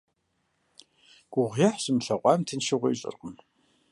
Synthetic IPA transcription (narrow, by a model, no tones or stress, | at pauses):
ɡ̥ʷʊʁʷjaħsɨmɬɐqʷʼɑːmtʰɨnʃɪʁʷɐɕʼɨ̰rqʼəm